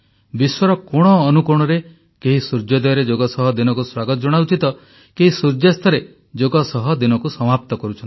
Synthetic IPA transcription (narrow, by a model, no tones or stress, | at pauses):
biswɔɾɔkɔɽ̃ɔːnukuɾɽ̃ɔɾe | keɦisuɾd͡ʒɔd̪ɔjɔɾed͡ʒoɡɔsɔɦɔd̪inɔkuswaɡɔt̪ɔd͡ʒɔɽ̃aut͡ʃit̪ɔ | keɦisuɾd͡ʒjast̪ʰɔɾe | d͡ʒoɡɔsɔɦɔd̪inɔkusɔmap̚t̪ɔkɔɾut͡ʃʰɔni